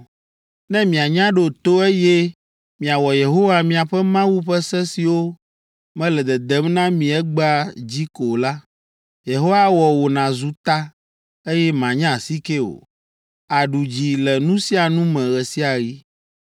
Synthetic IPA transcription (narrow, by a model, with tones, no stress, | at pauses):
nɛ̃˦mĩ˨a˨ɲã˦ɖo˨t̪o˦e˦jɛ˦ | mĩ˨a˨wɔ˨je˨ɦo˦wa˦mĩ˨a˨ɸɛ˦mã˦wu˦ɸɛ˦sɛ˦si˨wo˦ | mɛ̃˦lɛ˨d̪ɛ˨d̪ɛ˦mnã˦mĩ˨ɛ˦ɡ͡ba˦d͡ʑi˦ko˨la˦ | je˨ɦo˦wa˦wɔ˨wo˨nã˨zu˦t̪a˦ | e˦jɛ˦mã˨ɲã˦˨si˦ke˦o̰˨ | a˨ɖu˨d͡ʑi˨lɛ˨nũ˦si˦a˨nũ˦mɛ̃˨ɣɛ˨si˦a˨ɣi˦